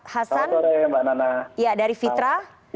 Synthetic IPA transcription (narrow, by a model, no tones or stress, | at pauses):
hasanɾembananaijadaɾifit̪ɾa